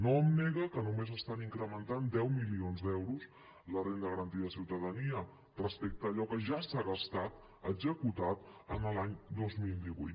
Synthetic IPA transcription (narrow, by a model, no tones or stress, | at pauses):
noəmnɛɣəkənumezəst̪aniŋkɾəmənt̪and̪ɛwmilionzd̪ɛwɾuz | lərend̪əɣəɾənt̪iðəsiwt̪əðəniə | rəspek̚t̪əːʎɔkəʒasaɣəst̪at̪ | əɡzəkut̪at̪ənəlaɲd̪ozmilˠd̪iβṵjt̪